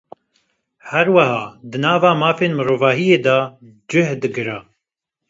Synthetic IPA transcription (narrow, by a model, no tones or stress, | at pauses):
hɛɾwɐɦɑːd̪ɨnɑːvaːmaːfeːnmɨɾoːvɑːɦijeːd̪ɑːd͡ʒɨhd̪ɨɡɨɾɑː